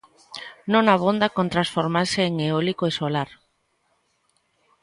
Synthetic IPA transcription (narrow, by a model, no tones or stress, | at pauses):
nõŋaβ̞ond̪akont̪ɾãnsfoɾmaɾseeŋeolikoesolaɾ